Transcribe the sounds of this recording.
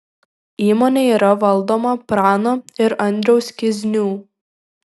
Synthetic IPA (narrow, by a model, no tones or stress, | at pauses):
iːmoːnʲeːiːɾɐʋɐlˠd̪oːmɐpɾɑːnoːɪɾɐnʲd̪ʲɾʲɛʊskʲɪzʲnʲuː